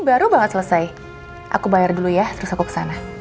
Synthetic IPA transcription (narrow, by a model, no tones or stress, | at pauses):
baɾubaŋət̪̚sələsaj | ʔa̰kubajardulujaht̪əɾʊsakukə̥sana